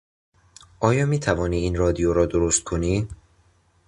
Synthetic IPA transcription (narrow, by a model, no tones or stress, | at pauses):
ʔɒːjɒːmiːt̪ʰævɒːniːiːnɾɒːd̪ijoɾɒːd̪oɾost̪̚kʰoniː